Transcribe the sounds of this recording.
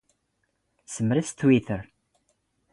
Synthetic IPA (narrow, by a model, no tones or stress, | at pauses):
səmɾist̪wiθəɾ